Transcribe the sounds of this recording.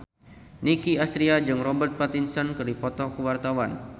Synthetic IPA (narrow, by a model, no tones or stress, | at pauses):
nikiast̪ɾiad͡ʒɨŋrɔbərt̪̚pat̪insɔnkɨrdipɔt̪ɔkəwart̪awan